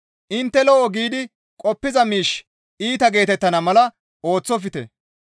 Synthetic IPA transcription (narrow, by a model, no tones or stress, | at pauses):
ʔɪnt̪ːɛlɔʔɔɡiːd̪ɪ | kʼɔpːɪzɐmiːʃ | iːt̪ɐɡe̞ːt̪ɛt̪ːɐnɐmɐlɐ | o̞ːt͡sːɔfɪt̪ɛ̰